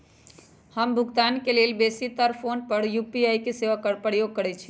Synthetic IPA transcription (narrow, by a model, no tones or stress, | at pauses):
həmbʱʊɡt̪aːnkelelbesit̪əɾpʰonpəɽjupiaikeseʋakəɾpəɾjoɡ̚kəɾɛt͡ʃʰi̥